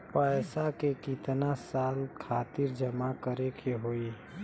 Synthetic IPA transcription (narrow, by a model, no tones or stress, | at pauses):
pəɪsakekɪt̪nasaːlkʰaːt̪ɪɾd͡ʒəmakəɾekʰeɦoi